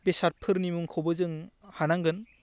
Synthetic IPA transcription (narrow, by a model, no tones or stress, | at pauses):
besaɾ̚pʰɯɾnimuŋkʰɔbɯzɯŋhanaŋɡɯn